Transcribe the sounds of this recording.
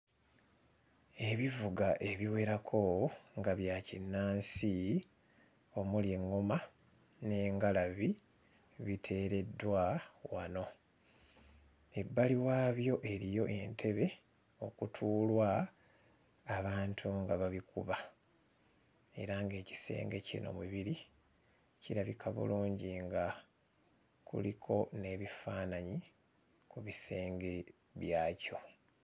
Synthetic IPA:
e̞βivuɡaʔe̞βiwe̞ɾakʰo̞ŋɡaβjaːcinːaːnsi | o̞mulje̞ŋːoma | ne̞ːŋɡalaβi | βitʰe̞ːɾe̞dːwawano̞ | e̞bːaliwaːβjo̞ʔe̞ɾijo̞ʔe̞ntʰe̞βe̞ | o̞kutʰuːlwa | βaːntʰuŋɡaβaβikuβa | e̞̰ɾaŋɡe̞ːci̥se̞̰ːŋɡe̞cḭno̞̰muβiɾi | ciɾaβikʰaβṵluːɲɟiŋɡa | kṵlikʰo̞ne̞ːβifaːnaɲi | kuβise̞ːŋɡe̞ | βjaːco̞

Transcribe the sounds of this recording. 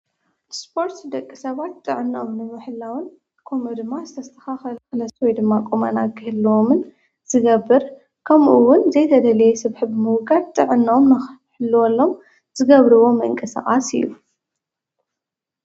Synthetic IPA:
spʰo̞ɾt̪sd̪ɐkʼːisɐβat̪ʼːɨʕɨnːaʔomnɨmɨħɨlːawɨn | kʰomɐd̪ɨmːazɨt̪ʰɐst̪ʰɐ̥xaxɐlxɨlɐswɔjd̪ɨmːakʼomɐnaɡɨhɨlːwomɨn | z̥ɨɡɐbːɨɾ | kʰɐmʔuwʊnzɐjt̪ʰɐd̪ɐlɐjɛsɨβħɨbɨmɨwɡad̪t̪ʼːɨʕɨnːaomnɨħɨlːwɔlːo̞m | zɨɡɐβɾɨwo̞mɨɨ̰ŋkʼɐsa̰χxʼasɨ̰ju

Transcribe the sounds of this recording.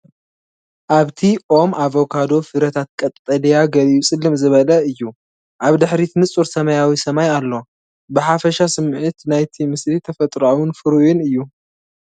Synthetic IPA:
ʔaβt̪ʰiʔo̞mʔaβo̞kʰad̪o̞fɨɾɐt̪ʰat̪̚kʼɐt̪ʼt̪ʼɐlijaɡɐliusʼɨlːɨmzɨβɐlɐɨjːu | ʔaβd̪ɨħɾit̪ʰɨnɨt͡sʼuɾsɐmɐjawisɐmajalːo̞ | bɨħafɐʃasɨmʕɨt̪najt̪ʰimɨslit̪ʰɐfɐt̪ʼɾawʊnfɨɾujunɨjːu

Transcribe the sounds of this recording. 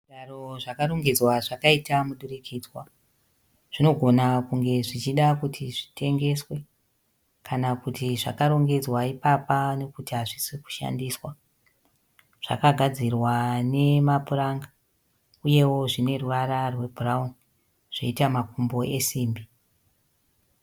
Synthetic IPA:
aro̞ʐakaɾo̞ŋɡe̞d͡zwaʐakaitamuɗurikʰiːd͡zwa | ʐ̥ino̞ɡʱo̞nakuŋɡe̞ʐit͡ʃiɗakutʰiʐitʰe̞ŋɡe̞swe̞ | kanakutiʐa̰kaɾo̞ŋɡe̞d͡zwaipapane̞kutiɦaʐisiku̥ʃa̰ndiːswa | ʐ̥a̰kaɡʱad͡zirwane̞mapuraŋɡa | uje̞wo̞ʐine̞ruʋaɾarwe̞bʱurauni | ʐ̥ḛitamakumbo̞e̞siːmbi

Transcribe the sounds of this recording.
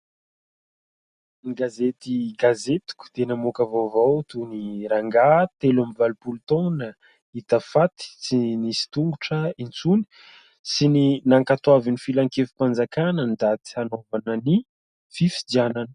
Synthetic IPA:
niɡazet̪iɡazet̪u̥ku̥d̪̥enamokəvovawt̪uniɾaŋɡat̪elamivalupult̪ɔna | it̪afat̪i̥t͡sinisi̥t̪uŋɡuʈ͡ʂəint͡suni̥ | sininaŋkat̪oavinifilaŋkefi̥pand͡zakanənd̪at̪i̥hanovanəni | fifid̪iananə̥

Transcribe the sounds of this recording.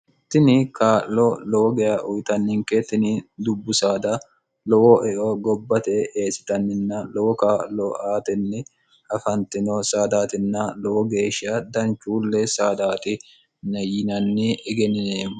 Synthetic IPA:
t̪ːɪnɪkaːʔlɔlɔwɔɡɛjɐʔʊjt̪ɐnːɪŋkɛt̪ɪnɪd̪ʊbːʊsaːd̪ɐ | lɔwɔʔɛʔɔɡɔbːɐt̪ɛeːsɪ̥t̪ɐnːɪnːɐlɔwɔkaːʔlɔaːt̪ɛnːɛ | ɐfɐnt̪ɪnɔsaːd̪aːt̪ɪnːɐlɔwɔɡe̞ːʃɪːɐd̪ɐnt͡ʃːuːlːɛsaːd̪aːt̪ɪ | nɐjɪnɐnːɪɛɡɛnɪneːm

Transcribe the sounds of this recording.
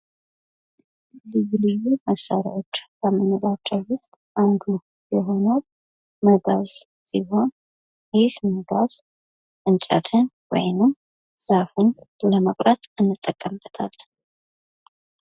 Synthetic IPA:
lɨɡlɨzuməsːaɾḭwo̞t͡ʃːbəmənːəd̪at͡ʃːəwwʊst̪ʼʔand̪u | jɛɦo̞nəw | məɡaz | siɦo̞n | jeʃməɡaz̥ | ʔɨnt͡ʃʼa̰t̪ʰɨn | wɔ̰jnɨm | safɨnləməkʼɾət̪ɨnːɨt̪ʼːəkʼːəmbət̪ʰa̰l

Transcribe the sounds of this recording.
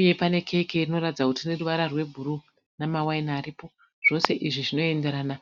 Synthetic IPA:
je̞pane̞kʰe̞kerino̞ɾatid͡zakutine̞ruʋaɾarwe̞bʱuɾu | namawainaːɾipo̞ | ʐ̥o̞se̞ʔiʐiʐino̞e̞nde̞ɾaːna

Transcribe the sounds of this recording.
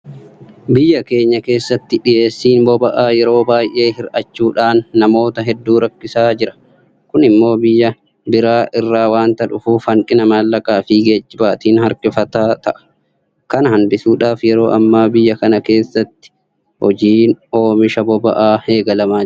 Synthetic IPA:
bɪjːɐke̞ːɲːɐke̞ːsːɐt̪ːɪᶑɪje̞ːsːiːnbɔbɐʔaːjɛɾo̞ːbaːjʔe̞ːhɪɾʔɐt͡ʃːuːᶑaːnːɐmo̞ːt̪ɐɦɛd̪ːuːɾɐkːɪsaːd͡ʒɪɾɐ̥ | kʊnɪmːo̞ːbɪjːɐ | bɪɾaːʔɪrːaːwaːnt̪ɐᶑʊfuːfɐŋkʼɪnɐmaːlːɐkʼaːfɪɡe̞ːd͡ʒːɪbaːt̪iːnhɐɾkʼɪfɐt̪aːt̪ɐʔɐ̥ | kɐnhɐnd̪ɪsuːᶑaːfjɛɾo̞ːʔɐmːaːbɪjːɐkɐnɐke̞ːsːɐt̪ːɪ̥ | hɔd͡ʒiːno̞ːmɪʃɐbɔbɐʔaːheːɡɐlɐmaː

